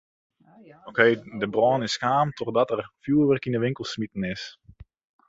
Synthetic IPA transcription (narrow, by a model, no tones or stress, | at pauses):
okʰeːdəbrɔːnɪsxaːmtʰɔrdɔtərfjuːʋərkinəʋɪŋkəlˠsmitən̩ɪs